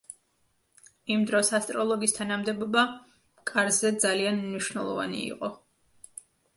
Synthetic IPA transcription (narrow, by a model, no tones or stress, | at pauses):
imd̪ɾɔsast̪ʼɾɔlˠɔɡist̪ʰanamd̪ɛbɔba | kʼaɾzɛd̪zalianmniʃwvnɛlˠɔ̰va̰nḭḭqʼɔ